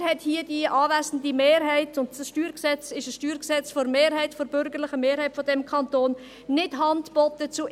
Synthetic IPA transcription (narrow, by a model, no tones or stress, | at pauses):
hɛthiədiʔɑːvæsn̩dimeːɾɦɛɪtʊndsʃtyːɾksɛt͡sɪʃəsʃtyːɾksɛt͡sfɔɾmeːɾɦɛɪtfɔɾb̥ʏɾɡəɾlɪχəmeːɾhɛɪtfɔdɛmkʰɑntoːn | nɪd̥ɦɑntb̥ɔtət͡su